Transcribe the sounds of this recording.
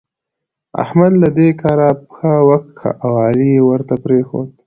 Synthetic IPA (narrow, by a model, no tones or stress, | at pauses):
a̰hmad̪lad̪ekɑɾapxawaxt̪xʰa̰ʔawɑːlijewəɾt̪apɾexo̰d̪